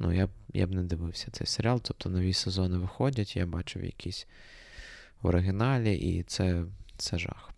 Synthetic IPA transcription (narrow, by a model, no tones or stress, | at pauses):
nṵjabja̰bnɛd̪ɪʋɪwsʲɐ̥t̪sɛ̰jseɾʲalˠt̪ɔp̚t̪ʰɔnɔʋʲisezɔnɪʋɪxɔdʲɐtʲjabɑt͡ʃɪ̰wjɐ̰kʰʲisʲ | ʋɔ̰ɾɪɦɪnɑlʲiʔḭt̪sɛsɛʒɑ̰x